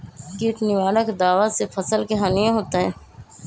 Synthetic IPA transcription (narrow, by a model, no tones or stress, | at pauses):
kiːt̪nɪʋaːɽəkd̪aːʋasefʰɐsəlkeɦaːnijãɦoːt̪aɦɛ̃ː